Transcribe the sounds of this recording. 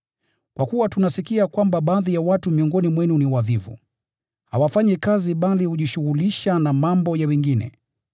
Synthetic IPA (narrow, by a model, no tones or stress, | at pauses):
kwʔakuwatunasikiakwambaɓaːðijawatumiɔŋɡɔnimwɛniuniwavivṵ | hawafaɲikaziɓalihuʄiʃuɣuliʃanamambɔjawɛŋɡinɛ̰